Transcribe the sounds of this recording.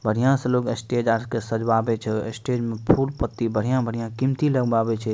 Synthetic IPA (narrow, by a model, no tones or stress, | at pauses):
bəɽ̤ijãselokesʈed͡ʒaɾkesəd͡ʒbabɛt͡ʃʰɛḛsʈed͡ʒmẽpʰulpət̪ːibəɽ̤ijãbʱəɽ̤ijãkimt̪iləɡbabɛt͡ʃʰɛ